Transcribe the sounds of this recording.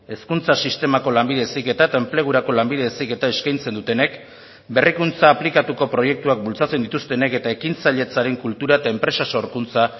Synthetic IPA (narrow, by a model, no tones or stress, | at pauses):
e̞skunt͡sasist̪e̞mako̞lambiðe̞sike̞t̪aet̪ae̞mple̞ɣ̞uɾako̞lambiðeesike̞t̪ae̞skajnt͡se̞nd̪ut̪e̞ne̞k | be̞rikunt͡saːplikat̪uko̞pɾo̞je̞k̚t̪uak̚bult͡sat͡se̞nd̪it̪ust̪e̞ne̞ke̞t̪ae̞kint͡saʎe̞t͡saɾe̞ŋkult̪uɾaet̪ae̞mpɾe̞saso̞ɾkunt͡sa